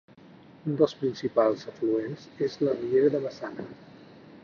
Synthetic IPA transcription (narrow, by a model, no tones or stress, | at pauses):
und̪əlˠspɾinsipalˠzəfluenzezləriʎeɾəðəβəsanə